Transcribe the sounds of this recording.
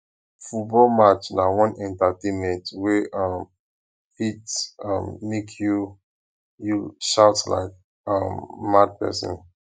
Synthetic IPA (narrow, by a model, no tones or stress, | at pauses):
futbɔlmat͡ʃnawɔ̃nʔɛ̃ntatẽnmɛ̃ntwɛʔʌm | hitʌ̰̃mːekʰju | juʃaʊtla̰ɪk | ʌmːad̚pɛ̰sɔ̰̃n